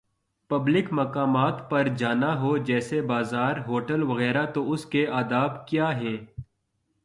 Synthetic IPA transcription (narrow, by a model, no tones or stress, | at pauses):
pɐblɪkmɐkaːmaːt̪pɐɾd͡ʒaːnaɦoːd͡ʒɛːsebaːzaːɾɦoːʈəlʋɐɣɛːɾat̪oʊskeaːd̪aːbkjaːɦɛ̃ː